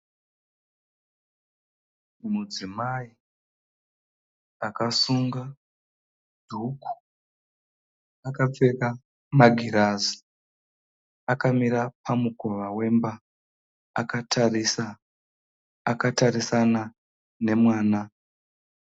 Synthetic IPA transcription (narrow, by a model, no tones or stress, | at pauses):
mud͡zimai | akasuŋɡa | dʱukʰu̥ | akap͡feka | maɡʱiɾazi̥ | akamiɾapamuko̞ʋawe̞mba | a̰katʰarisa | akatarisana | ne̞mwaːna